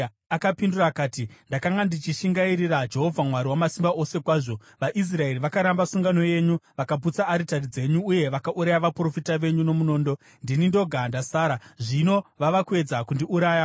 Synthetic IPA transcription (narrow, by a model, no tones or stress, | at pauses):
akapindurakaːtindakaŋɡandit͡ʃiʃiŋɡaiɾirad͡ʒe̞ɦo̞vʱamwaɾiwamasimbaʔo̞se̞kwaːʐo̞ | ʋaʔis̬rae̞riʋakaɾambasuŋɡano̞je̞ːɲuʋakaput͡saːɾitarid͡ze̞ɲuːje̞ʋakaʔuɾajaʋapro̞fitaʋe̞ɲuno̞muno̞ːndo̞ | ndinindo̞ɡʱandasaːɾaʐino̞ʋaʋakue̞d͡zakundiʔuɾaːja